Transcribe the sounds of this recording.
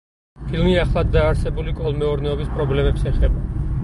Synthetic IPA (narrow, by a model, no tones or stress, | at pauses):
pʰilˠmiaχlˠad̪ːaːɾsɛbulikʼɔlˠmɛɔɾnɛɔbispʼɾɔblɛmɛpsɛχɛba